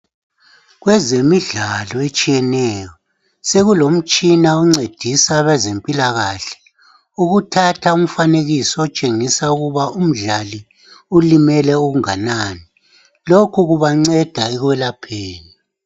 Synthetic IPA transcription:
ɣwɛzemiɮalɔet͡ʃʼijɛnɛjɔ | seɣulom̩t͡ʃʼinauŋ͡ǀed̥ʱisaβɛzempʼilaɣaɬɛ̥ | uɣutʰatʰaum̩faneɣisɔɔt͡ʃʼeŋisauɣuβaʔum̩ɮali | ulimɛlɛuɣuŋa̰naːni | lokʰuɣuβaŋ͡ǀɛd̥ʱaɛɣwɛlapʰeːni

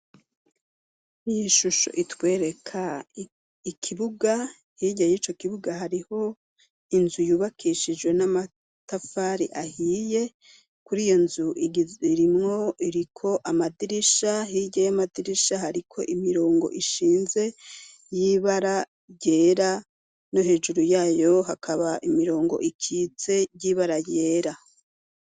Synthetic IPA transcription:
ijiʃuʃo̰ʔitwe̞ːɾe̞kʰa | ikʰiβuɡa | hiɟajit͡ʃo̞kiβuɡaɦaɾiho̞ | inzujuːβakʰiʃid͡ʒɡwe̞nama | tafaːɾḭʔahiːje̞ | kuɾijo̞nzuʔiiɾimŋo̞iɾikʰo̞ʔamadiɾiʃaɦiɟejamadiɾiʃahaɾikʰo̞̰ʔimiɾo̞ːŋɡo̰ʔiʃiːnze̞ | jiβaɾa | ɟeːɾa | no̞ɦe̞ːʒuɾujaːjo̞ɦakʰaβaʔimiɾo̞ːŋɡo̞̰ʔikʰit͡se̞jiːβaɾaje̞ːɾa

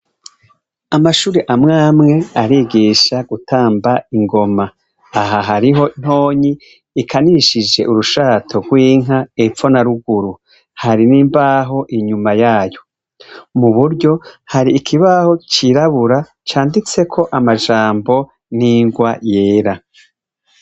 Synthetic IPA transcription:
amaʃuːɾeʔamŋaːmŋe̞aɾiːɡiʃaɡ̥utʰaːmbaiŋɡo̞ma | aɦaɦaɾiɦo̞n̥ho̞ːɲiː | kʰaniʃid͡ʒe̞̰ʔuɾuʃaːtʰo̞ɡwiːŋ̥aefo̞naɾuɡuɾu | haɾiniːmbaɦo̞ʔiɲumajaːjo̞ | muβuɾɟo̞haɾiːkʰiβaho̞t͡ʃiɾaβuɾa | t͡ʃaːndit͡se̞kʰo̞ʔamaʒaːmbo̞ | niːŋɡwajeːɾa

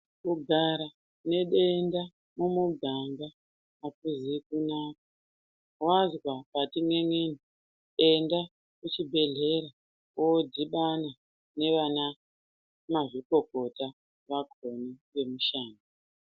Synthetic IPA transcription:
kuɡʱaɾa | ne̞ɗe̞nda | mumuɡʱambaː | kuzikunaːk̚ḁ | wazwapatiŋwe̞ŋeni | enda | kut͡ʃibʱe̞ɮe̞ɾa | oodʱiɓana | ne̞ʋana | maʐiko̞ko̞ta | ʋakʰoniʋe̞muʃaːna

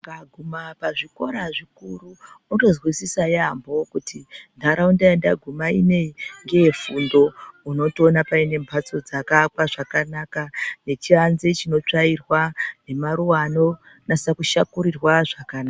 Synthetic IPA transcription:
ŋɡaɡʱumapaʐiko̞ɾaʐikuruutozwisisajambo̞kutindʱaɾaundajandaɡʱumaine̞ŋɡe̞fundo̞uno̞tionapaine̞mpʰat͡so̞d͡zakakwaʐakanakane̞t͡ʃianzet͡ʃino̞t͡ʂairwane̞maɾuwano̞ | nasakuʃakuɾirwaʐakanaa

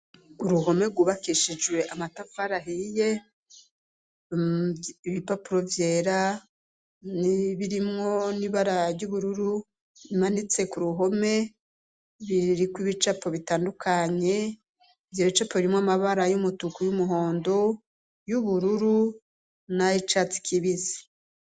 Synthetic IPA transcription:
uɾuɦo̞me̞ɡuβakiʃid͡ʒɡwe̞ʔamatafaɾaɦije̞ | iβipapuɾo̞vje̞ːɾa | niβiɾimŋo̞niβaɾaɾɟuβuɾuɾu | imanit͡se̞kuɾuɦo̞me̞ | βiɾikwiβit͡ʃapʰo̞βitaːndukʰaɲe̞ | ivjoβit͡ʃapoβiɾimŋamaβaɾajumutukujumuɦo̞ːndo̞ | juβuɾuɾu | nait͡ʃat͡si̥kʰiβizi̥

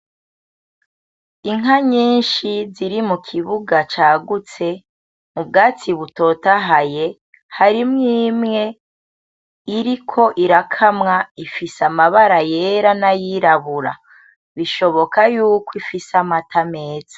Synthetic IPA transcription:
iŋɦaɲiːnʃiziɾimukʰiβuɡat͡ʃaːɡut͡se̞ | mub̚ɡaːt͡siβuto̞ːtaɦaje̞ | haɾimŋiːmŋe̞ | iɾikʰo̞ʔiɾakʰamŋaifisamaβaɾaje̞ɾanajiɾaβuɾa̰ | βiʃo̞βo̞kajuːkwifisamatameːzḁ

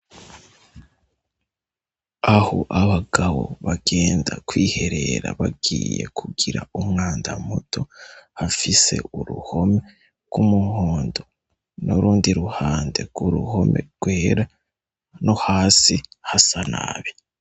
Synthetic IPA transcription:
ahoʔaβaɡawo̞̰βaɡe̞ːndakwiːhe̞ɾe̞ɾaβaɡiːje̞̰kʰuɡiɾa̰umŋaːndamutʰo̞hafise̞̰uɾṵho̞me̞ | ɡ̥umuhoːndo | noɾuːndiɾuhaːnde̞ɡuɾuho̞mʔe̞̰ɡ̥we̞ːɾa | no̞haːsihasana̰βi

